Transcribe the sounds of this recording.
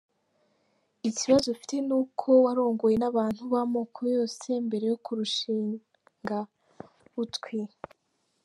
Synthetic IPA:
iciβazofi̥te̞nuːkʰo̞waɾo̞ːŋɡo̞je̞naβaːn̥huβamoːkʰojo̞ːse̞mbe̞ɾe̞jo̞kuɾuʃiː | ŋɡa | utkwi

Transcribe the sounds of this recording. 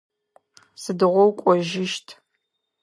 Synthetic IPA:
sɨdɨʁʷɔwkʷʼɔʒɪʃtʰ

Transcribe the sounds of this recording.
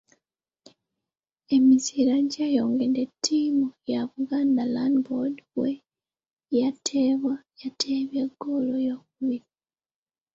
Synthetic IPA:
e̞misiɾaɲɟajoːŋɡendetʰːiːmujaβuɡaːndalandbodwe | jatʰeβwajatʰeβjeɡolojoːkuβiɾi

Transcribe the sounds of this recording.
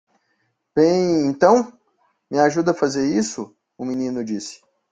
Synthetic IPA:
b̥ẽj̃ẽt̪ɐ̃w̃ | mɪaʒud̪ɐfazeɾisʊ | ʊminĩnʊd͡ʒisɪ̥

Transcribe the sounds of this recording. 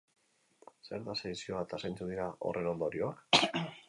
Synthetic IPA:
se̞̰ɾðaseðisio̞βat̪asajnt͡sed̪iɾao̞̰rʔe̞no̞nd̪o̞ɾio̞a

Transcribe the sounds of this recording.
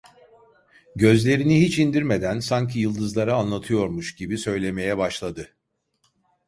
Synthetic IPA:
ɟø̞zlʲe̞ɾinihit͡ʃind̪iɾme̞d̪ænsaɲcʰijɯlˠd̪ɯzlˠaɾaːnlˠat̪ʰɯjo̞ɾmuʃɟibisø̞jlʲe̞me̞jɛbaʃlˠad̪ɯ

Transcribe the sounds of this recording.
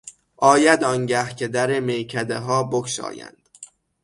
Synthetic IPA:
ʔɒːjæd̪ɒŋɟæhcʰed̪æɾemejcʰæd̪eɦɒːbokʰʃɒ̰ːjæ̰nd̪̥

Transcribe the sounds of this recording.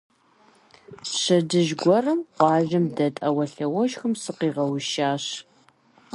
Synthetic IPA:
ɕɐdɨʒɡʷɔrɐmqʷɑːʒɐmdɐtʼɐwɐɬɐwɔʃxɨmsɨqiːʁɐwʃaːɕ

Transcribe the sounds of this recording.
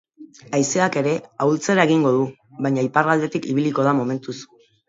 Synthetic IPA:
ajse̞ake̞ɾe̞awlt͡se̞ɾaeɣ̞iŋɡo̞ðu | βajɲaiparald̪e̞t̪ikiβ̞iliko̞ð̞amo̞me̞nt̪us

